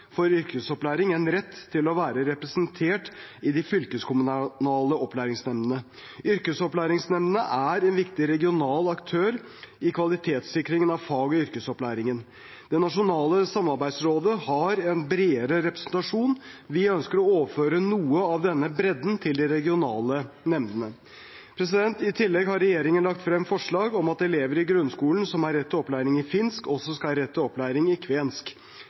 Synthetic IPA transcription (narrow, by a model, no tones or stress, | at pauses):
fɔɾʏɾkəsɔplæːɾɪŋɛnɾɛt̪ʰːɪlɔʋæːɾəɾɛpɾɛsənt̪ʰeːʈɪd̪ɪfʏlkəskʰʊmʉnnɑːləɔplæːɾɪŋsnɛmnənə | ʔʏɾkəsɔplæːɾɪŋsnɛmnənəʔæɾɛnʋɪkt̪ɪɾɛɡɪʊnɑːlɑkt̪ʰøːɾ | ɪkʰʋɑlɪt̪ʰeːt̪sɪkɾɪŋənɑʋfɑːɡɔʏɾkəsɔplæːɾɪŋən | d̪̥ɛnɑʂʊnɑːləsɑmːɑɾbæɪd̪sɾoːd̪əhɑɾɛnbɾeːəɾəɾɛpɾɛ̥snt̪ɑʂuːnʋɪœnskəɾɔoːʋəføːɾənuːəɑʋd̪ɛnːəbɾɛd̪n̩t̪ʰɪld̪ɪɾɛɡɪʊnɑːlənɛmd̪ənə | pʰɾɛs̬ɪd̪ɛnt̪ɪt̪ʰɪlːɛɡhɑɾɛjeːɾɪŋənlɑkt̪fɾɛmːfɔʂɭɑːɡɔmɑt̪ɛleːʋəɾɪɡɾʉnskuːln̩sɔmɑɾːɛt̪ʰːəɔplæːɾɪŋɪfɪnskɔsːɔskɑɾɛt̪ːəɔplæːɾɪŋɪkʰʋeːnsk